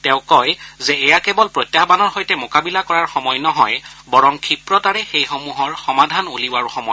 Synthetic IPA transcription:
tɛʊ̃kɔjzɛːjakɛbɔlpɹotːjabanɔɹxojtɛmokabilakɔɹaɹxɔmɔjnɔɦɔjbɔɹɔŋkʰipɹɔtaɹɛxejxomuɦɔɹxɔmadʱanuliwaɹuxɔmɔ

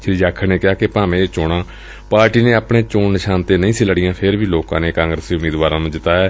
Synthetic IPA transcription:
t͡ʃʰɾiːd͡ʒaːkʰəneːkɪjaːkepãːmẽːt͡ʃoːɽãː | paːɾʈiːneːaːpɳeːt͡ʃoːɳnɪʃaːnt̪eːnəĩːsiːləɽɪjãːpʰɪɾbiːloːkãːneːkãːŋɡɾəsiːʊmiːd̪ʋaːɾãːnũːd͡ʒɪt̪aːɛː

